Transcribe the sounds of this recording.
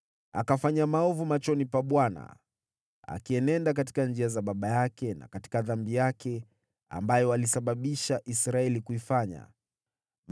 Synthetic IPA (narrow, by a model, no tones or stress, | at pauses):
a̰kafaɲamaɔvumat͡ʃɔnipaɓwana̰ | a̰kiɛnɛndak̬ati̥kand͡ʒiazaɓaɓajakɛna̰kati̥kaðambijakʰɛ | a̰mbajɔalisaɓaɓiʃaʔisɾaɛlikuifaɲa̰